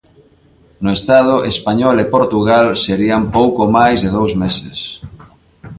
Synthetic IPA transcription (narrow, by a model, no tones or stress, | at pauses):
nʊest̪að̞ʊʔespaɲɔlepoɾt̪uɣalseɾiampowkomajzðeðowzmesɪ̰s